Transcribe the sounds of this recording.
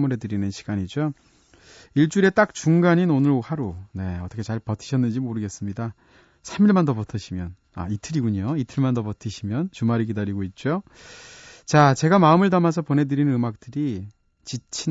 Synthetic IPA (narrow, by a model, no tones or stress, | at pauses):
muɾɦe̞dɯɾinɯnɕʰi̥ɡ̥aɲid͡ʑo | iɭt͡ɕ͈uɾe̞t͈ak̚t͡ɕuŋɡaɲinonɯɾhaɾone̞ʌt͈ʰʌkʰet͡ɕaɭpʌtʰɯ̥ɕʰʌnːɯnd͡ʑimoɾɯɡe̞s͈ɯmɲida | sʰamiɭmandʌpʌtʰʌɕʰimjʌn | a̰itʰɯɾiɡuɲoitʰɯɭmandʌpʌtʰɯɕʰimjʌnt͡ɕumaɾiɡ̬idaɾiɡoit̚t͡ɕ͈o | t͡ɕat͡ɕe̞ɡamaɯmɯɭdamas̬ʰʌponɦe̞dɯɾinɯnɯmak̚t͈ɯɾi | t͡ɕit͡ɕʰi